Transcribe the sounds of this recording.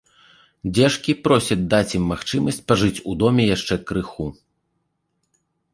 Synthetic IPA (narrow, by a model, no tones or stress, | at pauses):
d͡zʲɛʂkʲipɾɔsʲɐd͡z̚ʲd̪at͡sʲimːaxt͡ʂɨmɐsʲt͡sʲpaʐɨt͡sʲud̪ɔmʲɛjaʂt͡ʂɛkɾɨxu